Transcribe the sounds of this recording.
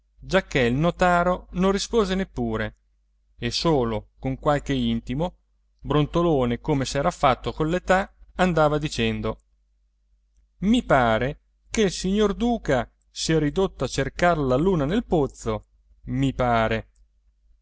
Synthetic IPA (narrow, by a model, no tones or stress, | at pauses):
d͡ʒakːeilnot̪aːɾonõnrːispoːzenepːuːɾe | esoːlokoŋkwalk̟eint̪imo | bɾont̪oloːnekomesɛːɾafat̪ːokolet̪aand̪aːvad̪it͡ʃɛnd̪o | mipaːɾe | keilsiɲːord̪uːka | siɛɾid̪ot̪ːoat͡ʃerkarlaluːnanelpot̪so | mipaːɾe